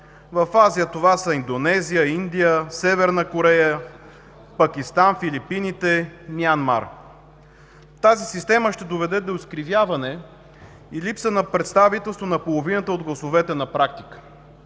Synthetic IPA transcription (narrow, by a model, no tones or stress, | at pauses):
vɐfazijət̪ovasəind̪onɛzijəind̪ijəsɛvɛɾnəkoɾɛjə | pɐkʲist̪anfilipinit̪ɛmianma̰ɾ | t̪azisist̪ɛməʃt̪ɛd̪ovɛd̪ɛd̪oʊskɾivʲjavɐnɛ | ilipsənɐpɾɛt̪st̪avit̪ɛlˠst̪vonɐpolˠovinət̪əod̪ɡlˠɐsovɛt̪ɛnɐpɾak̚t̪ikə̥